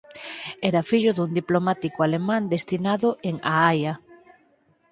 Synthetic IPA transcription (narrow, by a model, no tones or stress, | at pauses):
ɛɾafiʎʊðuŋd̪iplomat̪ikoalemãnd̪est̪inaðʊʔeŋaaja